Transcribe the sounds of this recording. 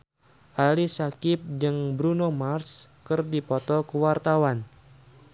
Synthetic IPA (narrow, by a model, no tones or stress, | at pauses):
ʔalisakɪp̚d͡ʒɨŋbɾunomarskɨrdipɔt̪ɔkəwart̪awan